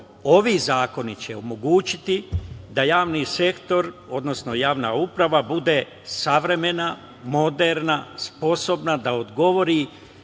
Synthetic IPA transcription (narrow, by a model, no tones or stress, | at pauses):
o̞ʋiːzaːko̞nit͡ɕe̞omo̞ɡuːt͡ɕit̪id̪ajaːʋnise̞kt̪o̞ɾo̞d̪no̞sno̞jaːʋnaupɾaʋabud̪e̞ | saʋɾe̞me̞na | mo̞d̪eɾnaspo̞so̞bnad̪aod̪ɡo̞ʋo̞ɾi